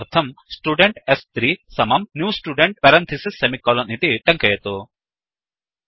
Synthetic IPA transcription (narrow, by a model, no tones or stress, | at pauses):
ɾt̪ʰɐmsʈuːɖeɳʈest̪ɾiːsɐmɐmnjuːsʈuːɖeɳʈ̚pɐɾɐnt̪ʰisisːemikɔːlɐnit̪iʈɐŋkɐjɐt̪o